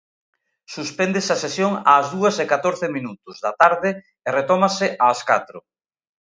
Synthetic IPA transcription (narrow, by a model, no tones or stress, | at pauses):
suspɛnd̪esasesjoŋaːzðuɐsekat̪oɾθɪminut̪ʊzðat̪aɾðɪ | eret̪ɔmasɪʔaːskat̪ɾʊ